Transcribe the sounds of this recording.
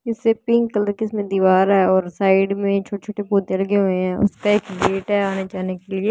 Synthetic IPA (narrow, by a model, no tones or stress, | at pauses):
ɪsepɪ̃ŋɡkələɾkɪsmẽd̪iːʋaːɾɦɛɔːɾsaːɪɖmẽt͡ʃʰoːʈet͡ʃʰoːʈepoːt̪ẽɐlɡeɦoeɦɛ̃ʊ̰skaeːkbeːʈɦɛaːned͡ʒaːnekelieː